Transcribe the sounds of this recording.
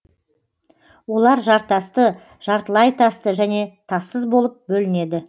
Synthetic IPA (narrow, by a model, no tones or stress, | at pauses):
wo̞lˠɑɾʒɑɾt̪ːɑst̪ə | ʒ̥ɑɾt̪əlˠɑjt̪ʰɑst̪əʒæne̞t̪ʰɑsəzbo̞lˠəp̚bɵlɪne̞d̪ɪ